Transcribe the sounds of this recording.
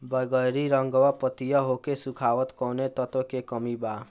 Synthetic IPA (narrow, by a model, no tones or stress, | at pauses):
bəɡəjɾiɾʌŋɡɔwapət̪ijʌɦokesukʰaʋət̪kɔnet̪ɔt̪okekɔmiba